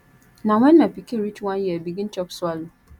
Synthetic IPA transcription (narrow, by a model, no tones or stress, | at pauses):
nãwɛ̃nːãpikʰeɾit͡ʃwãnjɛbiɡĩnt͡ʃʰɔpsʊalʊ